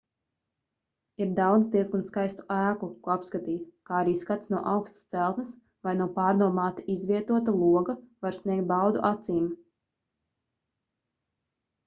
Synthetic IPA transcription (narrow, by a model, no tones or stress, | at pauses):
iɾd̪awd̪zd̪iɛzɡanskajst̪u̥ʔæːkukuɔapskat̪iːt̪kaːaɾiːskat̪snuɔʔawkst̪ə̥st̪sælˠt̪nɨs | vajnuɔpaːɾd̪uɔmaːt̪aʔizviɛt̪uɔt̪alˠuɔɡavaɾsnʲiɛkt̪̚bawd̪ṵʔat̪siːm